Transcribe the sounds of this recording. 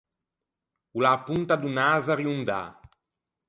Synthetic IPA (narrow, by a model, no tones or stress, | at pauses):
ulapunt̪ad̪unazariund̪a̰